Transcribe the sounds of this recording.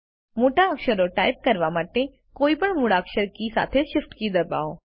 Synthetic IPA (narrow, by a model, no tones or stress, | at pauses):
moːʈaəkʃəɾoʈaːɪp̚kɐɾʋamaːʈ̪e | koːipəɳmʊɽaːkʃəɾkisa̰ːt̪ʰeʃɪfʈkid̪ɐba̰ːoː